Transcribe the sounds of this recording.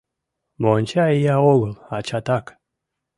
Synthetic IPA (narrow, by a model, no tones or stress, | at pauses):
mont͡ʃaijaoɡəlˠat͡ʃat̪ak